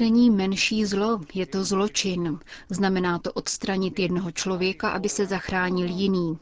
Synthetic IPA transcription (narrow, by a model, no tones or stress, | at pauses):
ɛɲiːmɛnʃiːzlo̞jɛt̪o̞zlo̞t͡ʃɪnznamɛnaːt̪o̞ʔo̞t̪st̪ɾaɲɪt̪jɛdno̞ɦo̞t͡ʃlo̞vjɛkaʔa̰bɪsɛzaxɾaːɲɪljɪniː